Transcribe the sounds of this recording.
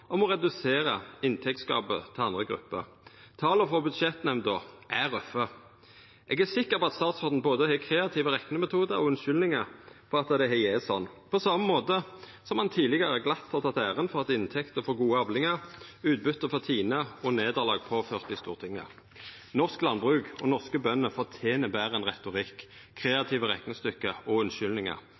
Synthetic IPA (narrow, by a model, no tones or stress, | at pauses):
ɔmɔʁɛd̪ʉseːʁəɪnt̪ʰɛk̚t̪skɑ̰ːbə̰t̪ʰɪlɑnd̪ʁəɡʁʉ̰pːə̰ʁ | t̪ʰɑːləfɔbʉd̪ʃɛt̪nɛmd̪ɔʔæʁœfːə | ʔɛɡæsɪkːəʁpɔɑt̪st̪ɑːt̪sɔd̪n̩boːd̪əhɛːkʰʁeːɑt̪ʰiːʋəʁɛknəmɛt̪ʰuːd̪əɔʉnʃʏlnɪŋəɾfɔʁɑt̪əd̪ɛɦɛjɛsɔnːpʰɔsɑməmoːt̪ə | sɔmhɑnt̪ʰiːlɪɡɑʁəɡlɑt̪ːhɑʁt̪ʰɑt̪æːʁənfɔʁɑt̪ɪnt̪ʰɛkt̪əfoːɡuːəɑblɪŋəʁʉːt̪̚bʉt̪ːəfɔʁt̪ʰiːnəɔneːd̪əʁlɑːɡ̚pʰoːføːʁt̪d̪ɪst̪uːʁt̪ʰɪŋːə̰ | nɔʁsklɑnbʁʉːkɔnɔʁskəbœnːəfoːt̪ʰeːnəbæːʁənʁɛt̪ʊʁɪkʰː | ʁeːɑt̪ʰiːʋəʁɛknəst̪ʏkːəɔʉnʃʏlnɪŋə̰ʁ